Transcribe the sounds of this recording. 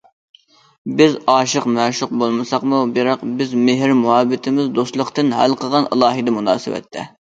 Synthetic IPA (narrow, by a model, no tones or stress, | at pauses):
bɪzɑːʃəqmɛʃuq̚bolˠmɨsɑqmubɪɾɑqbɪzmeɦɪɾmuɦɑːbɪt̪ʰɪmɪzd̪ost̪lˠʊqt̪ɨnɦælqʰəʁɑnəlˠɑːɦɨd̪ɨmunɑ̰ːsɪ̰wɛ̰t̪ʰːɛ̰